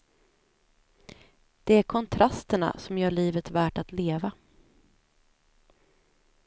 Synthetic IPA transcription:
d̪̥ɛæɾkʰɔnt̪ʰɾʔast̪əɳa̰sɔmjœːɭiːvət̪væːʈat̪leːva

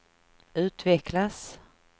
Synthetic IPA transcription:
ʉ̟ːt̪vɛklas

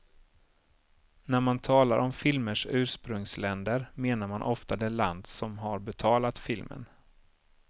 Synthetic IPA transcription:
næɾmant̪ʰɑːlaɾʔɔmfɪlməʂʉ̟ːʂpɾɵŋslɛnd̪əɾmeːnaɾmanʔɔft̪ad̪ɛla̰nd̪sɔmɦaɾbɛt̪ʰɑːlat̪fɪlmə̰n

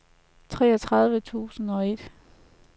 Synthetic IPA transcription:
t͡sʰʁɛːɒt͡sʰʁɑ̈ð̞ˠʋət͡sʰṵːsn̩ɒ̽e̝d̥

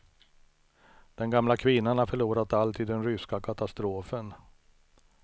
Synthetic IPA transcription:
d̪̥ɛnɡamlakʰvɪnːanɳaɾfœɭuːɾat̪alt̪ʰiːd̪ːɛnɾʏskakʰat̪ast̪ɾoːfən

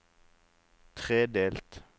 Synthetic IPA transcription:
t̪ʰʁeːd̪eːlt̪

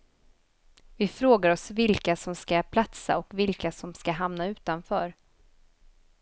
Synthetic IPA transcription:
vɪfɾoːɡaɾɔsvɪlkasɔmskapʰlat̪sa̰ɔkvɪlkasɔmskaɦamnaʉ̟ːt̪anfœːɾ

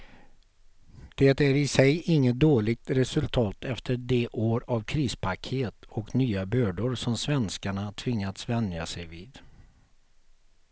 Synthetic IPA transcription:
d̪̥ɛt̪æɾɪsɛjɪŋːət̪̚d̪oːɭɪɡ̚t̪ɾɛsɵlt̪ʰɑːt̪ʰɛft̪ʰəɖɛʔoːɾavkʰɾiːspʰakʰeːt̪ɔknyːabœːɖʊɾsɔmsvɛnskaɳat̪ʰvɪŋːat̪svɛnd̪ja̰sɛjviːd̪

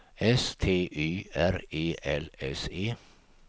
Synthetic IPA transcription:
ɛst̪ʰeːʔyːæɾeːʔɛlɛseː

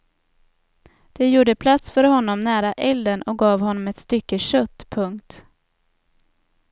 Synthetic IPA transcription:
d̪̥ɛjuːɖəpʰlat̪sfœɾhɔnːɔmnæːɾaʔɛld̪ənɔk̚ɡɑːvhɔnːɔmɛt̪st̪ʏkːəɕœt̪ːpʰɵŋkt̪

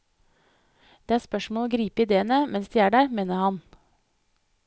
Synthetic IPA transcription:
d̪̥eːæːɾspœʃmoːoːɡɾiːpəɪd̪eːənəmɛnsd̪iːæːɖæːɾmeːnəhɑn

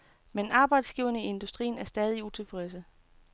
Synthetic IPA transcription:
menɑ̈ːb̥ɑ̈ɪd̥sɡ̥iːʊɐnəie̝nd̥usd̥ʁḭːnæɐsd̥ɛːð̞ˠiut͡sʰe̝fʁɛs̬ə

